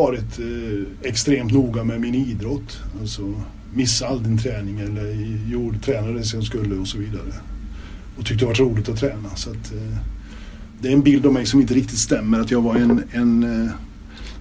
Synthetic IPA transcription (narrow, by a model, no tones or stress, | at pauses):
ɑːɾɪt̪ | ɛkst̪ɾeːmt̪nuːɡamɛmɪniːd̪ɾɔt̪ːalt̪sɔ | mɪsːaald̪ɪnt̪ʰɾɛːnɪŋɛlːəɾjuːɖt̪ʰɾɛːnaɾɛsɔskɵlːəɔsɔviːd̪aɾə | ɔt̪ʰʏk̚t̪əd̪ɛvaʈ̬ɾuːlɪt̪ɔt̪ʰɾɛːnasɔat̪ː | d̪ɛæɾɛnbɪld̪ɔvmɛjsɔmɪnt̪əɾɪk̚t̪ɪt̪st̪ɛmːəɾat̪jɑːɡvaɾɛnɛn